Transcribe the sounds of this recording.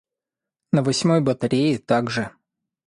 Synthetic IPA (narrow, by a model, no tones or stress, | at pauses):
nəvɐsʲmo̞jbət̪ɐɾʲejɪt̪aɡʐɨ